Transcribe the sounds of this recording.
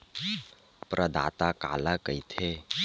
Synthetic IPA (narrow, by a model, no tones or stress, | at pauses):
pɾʔəd̪a̰ːt̪aka̰ːlakəit̪ʰeː